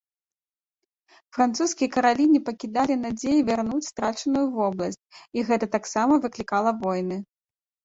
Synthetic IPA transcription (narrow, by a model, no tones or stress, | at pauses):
fɾant̪suskʲijɐkɐɾalʲinʲipɐkʲid̪alʲinad͡zʲejivʲarnut͡sʲst̪ɾat͡ʂɐnujuvɔblˠɐsʲt͡sʲiɣɛt̪ɐt̪aksamɐvɨklʲikalˠɐvɔjnɨ